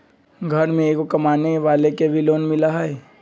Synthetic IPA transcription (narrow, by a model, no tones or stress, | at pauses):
ɡʱɐɾmẽeːkokɐmaːneʋaːlekebʱiloːnmɪlaɦɛɛ